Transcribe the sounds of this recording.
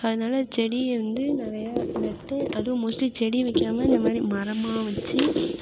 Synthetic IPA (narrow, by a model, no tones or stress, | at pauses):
ɐðɯnaːlɐt͡ʃɛɽiɛʋɐnd̪ɯnɪɾɐjaːnɐʈːɛ̃ʔɐðɯʋ̃moːsʈit͡ʃɛɽiʋɛkːaːmɐɪnd̪ɐmaːd̪ɾimɐɾɐmaːʋɐt͡ʃːɯ